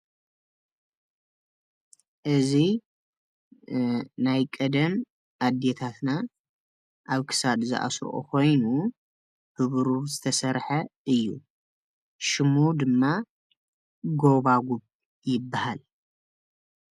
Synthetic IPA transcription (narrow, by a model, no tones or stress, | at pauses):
ʔɨzi | najkʼɐd̪ɐm | ʔad̪et̪ʰat̪na | ʔaβkʰɨ̥sad̪zɨ̰ʔa̰sʔo̰kʰo̞jnu | hɨβɾuβzɨt̪ʰɐsɐɾħɐʔɨjːṵ | ʃɨmud̪ɨmːa | ɡo̞βaɡuβ | jɪbːahal